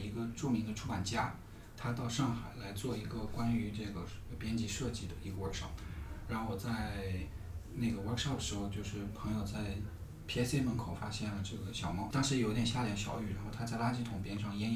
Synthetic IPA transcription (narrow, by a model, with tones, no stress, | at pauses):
i˧˥ɡə˧ʈ͡ʂu˥˩mi˧˥ŋd̪ə˧ʈ͡ʂʰu˥pa˨˩nt͡ɕja˥ | t̪ʰa˥t̪ɑ˥˧ʊʂɑ˥˩ŋxa˨˩ɪla˧˥ɪt͡swɔ˥˩i˧˥ɡə˧kwa˥ny˧˥ʈ͡ʂɤ˥˩ɡə˩˧pjɛ˥nt͡ɕi˥ʂɤ˥˧t͡ɕi˥˩d̪ə˩i˧˥ɡə˧wə˞˧˥ʂɑ˥˩p̚ɻa˧˥nxo˧wɔ˨˩t͡sa˥˧ɪ | na˥˩ɡə˩wə˞˧˥kʂɑ˥˩p̚d̪ə˩ʂɻ̩˧˥xo˧ʊt͡ɕjo˥˧ʊʂɻ̩˥˩pʰɤ˧˥ŋjo˨˩ʊt͡sa˥˩ɪ | pʰi˥ɛ˥se˥˧ɪmə˥˩kʰo˨˩ʊfa˥ɕjɛ˥˩nlə˩ʈ͡ʂɤ˥˩ɡə˩ɕjɑ˨˩ʊmɑ˥ʊt̪ɑ˥ŋʂɻ̩˧˥ji˥jɛ˨n˩ɕja˥ljɛ˧˥nɕjɑ̰˨˩ʊy˥˩ɻa˧˥nxo˥˧ʊt̪ʰa˥t͡sa˥˩ɪla˥t͡ɕi˥˩t̪ʰʊ˨˩ŋpjɛ˥nʂɑ˥˩ŋjɛ˥n˥